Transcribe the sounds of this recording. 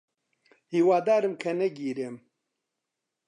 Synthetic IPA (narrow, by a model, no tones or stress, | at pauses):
hiːwaːd̪aːɾɨmkʰɐnɛɡiːɾeːm